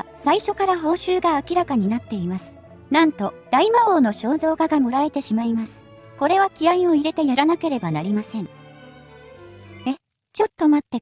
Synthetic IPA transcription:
saiɕo̞kaɾaɦo̞ːɕɨːɡaːkʲiɾakaɲ̟inat̪ːe̞imasɨ̥ | nãnt̪o̞d̪̥aimaoːno̞ɕo̞ːzo̞ːɡaɡamo̞ɾae̞t̪e̞ɕimaimasɨ̥ko̞ɾe̞β̞akʲiaĩo̞iɾe̞t̪e̞jaɾanake̞ɾe̞banaɾʲimasẽ̞ŋ | e | t͡ɕo̞t̪ːo̞mat̪ːe̞

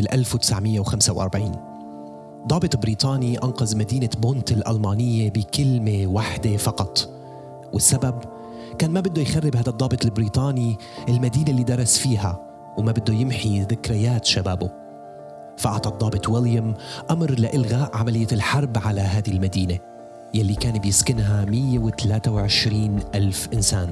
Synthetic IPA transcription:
b̥ɪlʔalfwt̪ɪ̥sʕmɪjːewxamsawʔɑɾˤbʕiːn | d̪ˤɑːbɨt̪ˤbɾiːt̪ˤɑːniʔɑnqɑzmad̪iːnaboːnt̪ɪlʔa̰lmaːnɪjːebɪkɪlmewaħd̪efɑqɑt̪ˤ | wɪsːabab | kaːnmabɪd̪ːojxarːɪbhaːd̪ɑd̪ˤːɑːbɨt̪ˤlbɾiːt̪ˤɑːni | ʔɪlmad̪iːnelːiːd̪ɑɾˤɑsfiːɦa | wmabɪd̪ːojɪmħiðɪkɾɪjaːt̪ʃabaːbo | faʔɑʕt̪ˤɑd̪ˤːɑːbɨt̪ˤwɪljamʔamɾlaʔɪlɣaːʔʕamalɪjːalħɑɾˤbʕalaɦaːd̪ilmad̪iːne | jalːikaːnbjɪskɪnɦamɪjːewɪt̪alaːt̪awʕɪʃɾiːnʔalfʔɪnsaːn

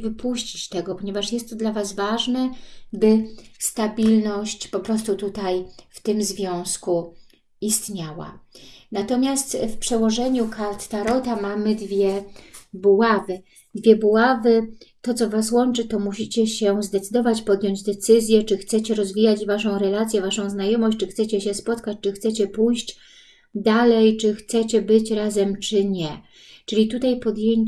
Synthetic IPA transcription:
vɘpuɕt͡ɕit͡ɕt̪ɛɡɔpɔɲɛvaʂjɛst̪ːɔd̪lavasvaʐnɛbɘst̪abʲilnɔɕt͡ɕpɔpɾɔst̪ut̪ut̪ajft̪ɘmzvʲjɔ̃w̃sku | ist̪ɲawa̰nat̪ɔmʲjast̪fpʂɛwɔʐɛɲukalt̪t̪aɾɔt̪amamɘd̪vʲjɛbuwavɘ | d̪vʲjɛbuwavɘt̪ɔt̪sɔvaswɔnt͡ʂɘt̪ɔmuɕit͡ɕɛɕɛzd̪ɛt̪sɘd̪ɔvat͡ɕpɔd̪jɔɲd͡ʑd̪ɛt̪sɘzʲjɛt͡ʂɘxt̪sɛt͡ɕɛɾɔzvʲijad͡ʑvaʂɔ̃w̃ɾɛlat̪sʲjɛvaʂɔ̃w̃znajɔmɔɕt͡ɕt͡ʂɘxt̪sɛt͡ɕɛɕɛspɔt̪kat͡ɕt͡ʂɘxt̪sɛt͡ɕɛpujɕd͡ʑ | d̪alɛjt͡ʂɘxt̪sɛt͡ɕɛbɘt͡ɕɾazɛmt͡ʂɘɲɛ | t͡ʂɘlʲit̪ut̪ajpɔd̪jeɲ

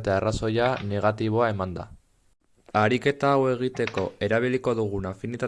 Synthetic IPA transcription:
t̪earaso̞jane̞ɣ̞at̪iβ̞o̞ae̞mand̪a̰ | aɾike̞t̪aːwe̞ɣ̞it̪e̞ko̞e̞ɾaβ̞iliko̞ðuɣ̞unafinit̪a

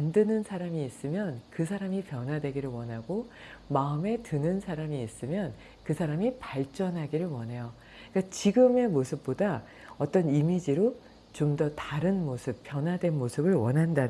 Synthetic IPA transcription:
andɯnɯnsʰaɾamiːs͈ɯmjʌnkɯs̬ʰaɾamipjʌnɦwadwe̞ɡiɾɯɭwʌnɦaɡomaɯme̞tɯnɯnsʰaɾamiːs͈ɯmjʌn | kɯsʰaɾamipaɭt͡ɕ͈ʌnɦaɡiɾɯɭwʌnɦe̞jo | k͈at͡ɕiɡɯme̞mosʰɯp̚p͈oda | ʌt͈ʌnimid͡ʑiɾo | t͡ɕomdʌtaɾɯnmosʰɯpp͈ːjʌnwadwe̞nmosʰɯbɯɭwʌnɦanda

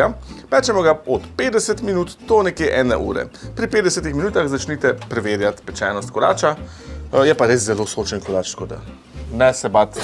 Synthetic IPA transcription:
apɛːt͡ʃɛmɔɡaɔt̪ped̪ɛsət̪minuːt̪t̪onɛkjeʔɛːnɛ̰ʔṵːɾɛ̰pɾipeːd̪d̪ɛsɛt̪ixminuːt̪axzat͡ʃniːt̪ɛpɾɛʋeːɾjat̪pɛt͡ʃɛːnɔst̪̚kɔɾa̰ːt͡ʃa | jɛpaɾes̬zɛloːsot͡ʃənkɔɾaːt͡ʃt̪kod̪a̰ | nɛsɛbat̪

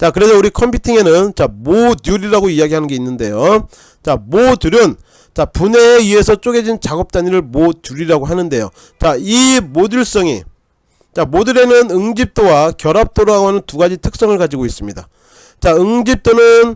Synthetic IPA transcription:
t͡ɕakɯɾe̞sʰʌuɾikʰʌmpʰitʰiŋe̞nɯnt͡ɕamodjuɾiɾaɡoijaɡiɦanɯnɡeinːɯnde̞jo | t͡ɕamotuɾjʌn | t͡ɕapune̞ie̞sʰʌt͡ɕ͈oɡe̞d͡ʑint͡ɕaɡʌp̚t͈aɲiɾɯɭmotuɾiɾaɡoɦanɯnde̞jo̰ | t͡ɕaimoduɭs͈ʌŋḭ | t͡ɕamodɯɾe̞nɯnɯŋd͡ʑip̚t͈owakjʌɾap̚t͈oɾaɡoɦanɯntuɡad͡ʑitʰɯk̚s͈ʌŋɯɭkad͡ʑiɡois͈ɯmɲida̰ | t͡ɕaɯŋd͡ʑip̚t͈onɯn

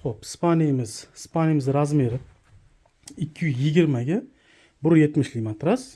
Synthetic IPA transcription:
χopɪ̥spʰanijamɪzɪspanʲjamɪzɾazmeɾɪ | ɪkʲʰːɪjʊzjɪɡʲɪɾmaɡʲa | bʊɾjet̪mɪʃlʲimat̪ɾas

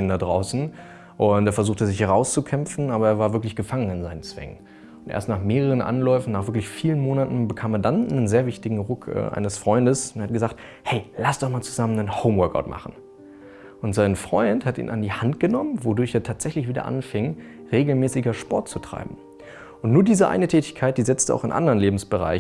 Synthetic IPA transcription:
ndadʁaʊsn̩ | ʔʊnteːɐfɛɐzuːxχtəzɪçhɛʁaʊst͡sukʰɛmfn̩ʔaːbɐeːɐvaːɐvɪɐk̬lɪçɡ̥əfaŋənɪnzaɪnənt͡sv̥ɛ̰ŋə̰n | ʊntʔḛɐstnaːχmeːʁəʁənʔa̰nlɔʏfn̩naːχvɪɐklɪçfiːlənmoːnatn̩bəkʰaːmeːɐdannənzeːɐvɪçtɪɡŋ̩ʁʊkʰʔɛ̰ːʔa̰ɪnəsfʁ̥ɔʏndəsntːhatɡ̥əzaːχt | hɛɪlasd̥ɔχmaːlt͡su̥zamənənhoʊmwœɐka̰ʊtma̰χn̩ | ʔʊntz̥aɪnfʁ̥ɔʏnthatḭːnʔandiːhant̚ɡ̥ənɔmənvodʊɐçeːɐtʰaːtz̥ɛçlɪçv̥iːdɐ̰ʔa̰nfɪŋ | ʁeːɡl̩mɛːsɪɡɐʃpɔɐt̚t͡sutʁ̥a̰ɪbm̩ | ʔʊntnuːɐdiːzəʔa̰ɪnətʰɛːtɪ̥çkʰaɪt̚d̥iːzɪt͡stəa̰ʊxɪ̰nʔa̰ndəʁənleːbm̩sb̥əʁa̰ɪ

